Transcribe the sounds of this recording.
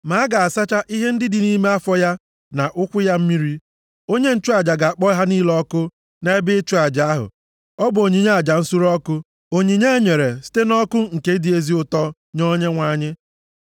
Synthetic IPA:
ma˨˦ɡa˨a˨sa˦t͡ʃa˦ʔi˦ɦe˦n̩˦dɪ˦dɪ˨ni˦me˦a˦fɔ˦ja˦ | na˨ʔʊ˦kʷʊ˦ja˦m̩˦mi˦ɾi˦ | o˦ɲe˦n̩˦t͡ʃu˦a˨d͡ʒa˨ɡa˨a˨k͡pɔ˦ɦa˦ni˦lɔ˦kʊ˦ | ne˦bɪ˦t͡ʃu˦a˨d͡ʒa˨a˦ɦʊ̰˨ | ɔ˦bʊ˨o˨ɲi˨ɲe˦a˨d͡ʒa˨n̩˦su˦ɾɔ˦kʊ˦ | o˨ɲi˨ɲe˦e˦ɲe˨ɾe˨si̥˦te˦nɔ˦kʊ˦ŋ̩˨ke˦di˨e˦zi˦ʊ˦tɔ˦ | ɲɔ˦ɲe˦ŋʷa˦ɲɪ˦

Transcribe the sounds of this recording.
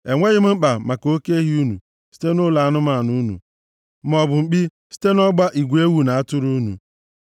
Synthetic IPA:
e˨ŋʷe˦ɣɪ˦m̩˦ŋ͡m̩˦k͡pa˨ma˨ko˦ke˦ɦi˦u˦nṵ˨ | si̥˦te˦nʊ˦la˨a˦nʊ˦ma˦˨nu˦nṵ˨ | m̩˦ɔ˨bʊ˨ŋ͡m̩˨k͡pi˦ | si̥˦te˦nɔ˦ɡ͡ba˦ʔi˨ɡʷu˨e˦wu˦na˨a˦tʊ˦ɾu˦nṵ˨

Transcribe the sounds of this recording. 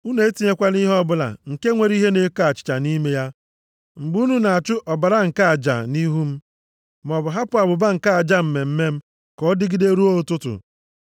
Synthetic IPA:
u˦ne˨e˦ti˦ɲe˦kʷa˦ni˦ɦɔ˦bʊ˦la̰˨ŋ̩˨ke˦ŋʷe˨ɾi˦ɦe˦ne˨˦ka˦˨t͡ʃɪ̥˨t͡ʃa˨ni˦me˦ja˦ | ŋ͡m̩˨ɡ͡bu˦nu˦na˨a˨t͡ʃʊ˦ʔɔ˨ba˨ɾa˦ŋ̩˨ka˦a˨d͡ʒa̰˨ni˦ɦu˦m̩˦ | mɔ˨bʊ˨ɦa˦pʊ˦a˨bʊ˨ba˦ŋ̩˨ka˦a˨d͡ʒa˦m̩˨me˨m̩˦me˦m̩˦ | kɔ˦dɪ˦ɡɪ˦de˦ɾu˦o˦ʊ˦tʊ˦tʊ̰˨

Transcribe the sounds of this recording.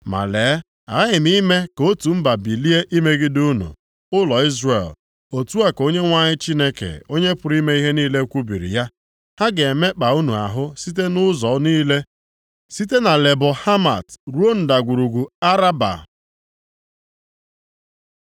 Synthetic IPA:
ma̰˨leː˨˦ | a˨˦ɪ˨m˦i˦me˦ko˦tu˨m̩˦ba˨bi˨li˦e˦ʔi˦me˦ɡɪ˦du˦nṵ˨ | ʊ˦lɔ˨i˦zre˨l | o˨tu˦a˨ko˦ɲe˦ŋʷa˦ɲɪ˦t͡ʃi˦ne˦kḛ˨o˦ɲe˦pʊ˨ɾi˦me˦i˦ɦe˦niː˦le˦kʷu˦bḭ˨ɾḭ˨ja˦ | ha˦ɡe˨e˨me˦k͡pa˨u˦nu˨a̰˨ɦʊ˦si˦t̬e˦nʊ˦zɔ˨˦niː˦le˦ | si˦te˦na˨le˨bʊ˨ha˦ma̰˨tɾu˦o˦n̩˨da˨ɡʷu˨ɾu˨ɡʷu˨a˦ɾa˦ba̰˨

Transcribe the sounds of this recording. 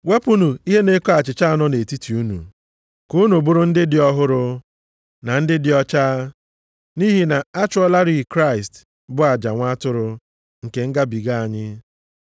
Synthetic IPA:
we˦pu˦nu˨i˦ɦe˦ne˦kɔ˦a˨t͡ʃɪ˨t͡ʃa˦a˨nɔ˦ne˨ti˦tʰi˨u˦nṵ˨ | ku˦nu˨bʊ˦ɾʊ˦n̩˦dɪ˦dɪ˨˦ɔ˦ɦʊ˦ɾʊ˦ | na˨n̩˦dɪ˦dɪ˨ɔ˦t͡ʃaː˦ | ni˦ɦi˨na˨a˦t͡ʃʊ˦ɔ˦la˦ɾi˦i˨kɾa˦˨ɪ˨st | bʊ˦a˨d͡ʒa˨ŋʷa˦tʊ˦ɾʊ˦ | ŋ̩˨ke˨ŋ̩˦ɡa˦bi˨ɡa˦a˨ɲɪ˦

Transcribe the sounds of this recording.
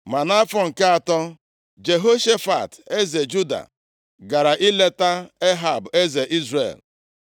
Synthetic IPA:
ma˨na˦fɔ˦˨ŋ̩˨ka˦a˨tɔ˦ | d͡ʒe˨ɦo˦ʃe˦fa̰˨te˦ze˨d͡ʒu˦da̰˨ | ɡa˨ɾa˨ʔi˦le˦ta˦e˦ɦa˨be˦ze˨ʔi˦zɾḛ˨l

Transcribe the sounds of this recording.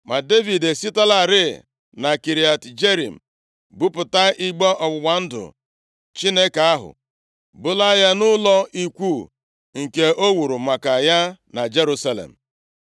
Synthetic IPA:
ma˨de˦vi˨de˨si˦ta˦la˨ɾɪ˦˨ | na˨ki˨ɾi˨a˨td͡ʒe˦ɾḭ˨m̩˨ | bʊ˦pʊ˨ta˦i˦ɡ͡bɔ˦ʔɔ˨ɡ͡bʊ˨ɡ͡ba˨n̩˦dʊ̰˨ | t͡ʃi˦ne˦ka˨a˦ɦʊ̰˨ | bʊ˦la˦ja˦nʊ˦lɔ˦ʔi˦kʷu˦˨ | ŋ̩˨ke˨o˦wu˨ɾu˨ma˨ka˨ja˦na˨d͡ʒe˦ɾu˦sa˦˨lḛ˨m̩˨

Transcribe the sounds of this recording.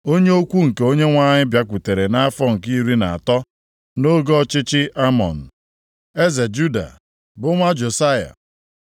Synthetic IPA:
o˦ɲe˦o˦kʷu˦ŋ̩˨ke˨o˦ɲe˦ŋʷa˦ɲɪ˦bja˦kʷu˨te˨ɾe˨na˦a˦fɔ˦ŋ̩˨ki˦ɾi˦na˨a˨tɔ˦ | no˦ɡɔ˦t͡ʃɪ˦t͡ʃɪ˦ʔa˦mɔ̰˨n̩˨ | e˦ze˨d͡ʒu˦da̰˨ | bʊ˦ŋʷa˦d͡ʒo˨sa˦ja̰˨

